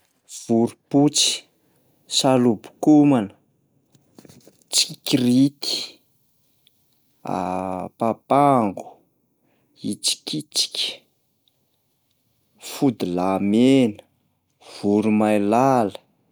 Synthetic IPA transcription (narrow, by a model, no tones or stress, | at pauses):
v̥uɾuput͡si̥ | salubu̥kumanə | t͡sikirit̪i̥ | a̰papaŋɡu̥ | it͡si̥kit͡si̥kʲə̥ | fud̪ilamenə̥ | v̥uɾumajlalə̥